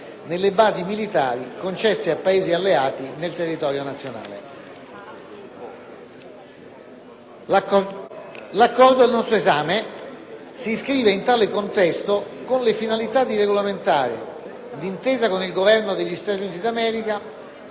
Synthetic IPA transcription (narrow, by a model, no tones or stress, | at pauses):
nelːebaːzimilit̪a̰ːɾikont͡ʃɛsːeapːaeːzialːeaːt̪inelt̪erːit̪ɔːɾjonat̪sːjona̰ːlḛ | lakːɔrd̪oalnɔst̪ɾoezaːme | siskɾiːveint̪aːlekont̪ɛst̪okonlefinalit̪ad̪ireɡolament̪a̰ːɾḛ | d̪int̪eːzakonilɡovɛrnod̪eʎːist̪at̪juniːt̪id̪amɛːɾika